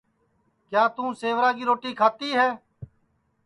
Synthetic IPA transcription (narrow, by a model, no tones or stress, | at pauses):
kjaːt̪ũːseːʋɾaːɡiːɾoːʈiːkʰaːt̪iːɦɛː